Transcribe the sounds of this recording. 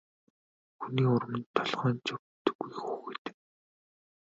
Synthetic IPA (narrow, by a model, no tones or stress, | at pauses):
xuniːʊɾə̆mə̆nt̪ʰːɔɮʁœːnt͡ɕɔpt̪ɵ̥̆ɡːijxuːxɡet̪ɘ̥̆k̚